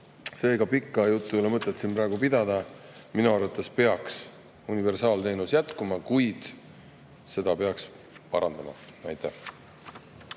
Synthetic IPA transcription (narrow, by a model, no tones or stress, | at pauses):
se̞ːɡɑpikːˑɑjut̪ːˑulemɤt̪ˑːet̪ːsinpɾɑːɡupid̪̥ɑd̪̥ɑminuɑrvɑt̪ːˑespe̞ɑks | unive̞rsɑːlt̪e̞ːnusjæt̪kumɑkujd̪̥ | se̞d̪̥ɑpe̞ɑks | pɑɾɑnd̪̥ɑmɑ̰nɑjt̪ːˑæh